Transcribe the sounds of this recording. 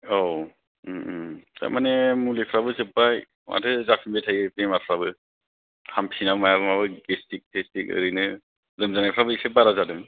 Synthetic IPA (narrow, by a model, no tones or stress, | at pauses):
o | ta̰jmanemulepʰɾabɯsɯpaj | mʔa̰tʰɯzapʰimbetʰajpemaɾpʰɾabɯ | hampʰinamajabɯmabɯɡestik̚tʰestikɯ̰ɾɯnɯ | zɯmzanajpʰɾabɯipʰep̚baɾazadɯŋ